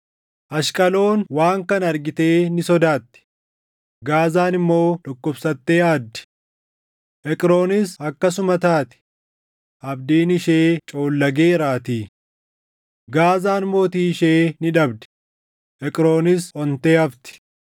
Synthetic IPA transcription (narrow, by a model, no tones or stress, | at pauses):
ʔɐʃkʼɐlo̞ːnwaːŋkɐnɐɾɡɪt̪e̞ːnɪsɔd̪aːt̪ːɪ̥ | ɡaːzaːnɪmːo̞ːᶑɔkːɔbsɐt̪ːeːaːd̪ːɪ̥ | ʔɛkʼɾo̞ːnɪsɐkːɐs̬ʊmɐt̪aːt̪ɪ̥ | ʔɐbd̪iːnɪʃeːt͡ʃʼo̞ːlːɐɡe̞ːɾaːt̪iː | ɡaːzaːnmo̞ːt̪iːʃeːnɪᶑɐbd̪ɛ̥ | ʔɛkʼɾo̞ːnɪsɔnt̪eːɐft̪ɪ̥